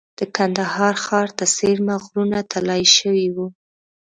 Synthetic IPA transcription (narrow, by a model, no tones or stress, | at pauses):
d̪̥əkand̪ahɑɾxɑɾt̪aseɾmaɣɾunat̪ʰalɑjʃəwiwu